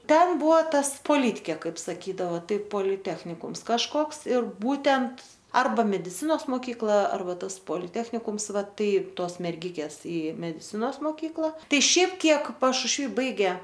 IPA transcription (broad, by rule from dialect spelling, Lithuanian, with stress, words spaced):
ˈtʲɛn ˈbʊʋoː ˈtɐs poːˈlʲiːtʲkʲeː ˈkɐɪp sɐˈkʲiːdɐʋɐ ˈtɐɪ poːlʲɪˈtʲæːxʲnʲɪkʊms kɐʃˈkoːks ɪr ˈbuːtʲɛnt ˈɐrbɐ mʲɛdʲɪˈt͡sʲɪnoːs moːˈkʲiːklˠɐ ˈɐrbɐ ˈtɐs poːlʲɪˈtʲæːxʲnʲɪkʊms ˈʋɑːˈtɐɪ ˈtuɔs mʲɛrʲˈɡʲɪkʲeːs ɪ mʲɛdʲɪˈt͡sʲɪnoːs moːˈkʲiːklˠɐ ˈtɐɪ ˈʃʲɛɪp ˈkʲiɛk pɐʃʊʃʲˈʋʲiː ˈbɐɪɡʲeː